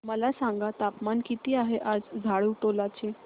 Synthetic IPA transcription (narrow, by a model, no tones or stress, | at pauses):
məlasaŋɡat̪apmankit̪iːaɦeʔad͡zd͡zʱaɭuːʈolat͡ɕe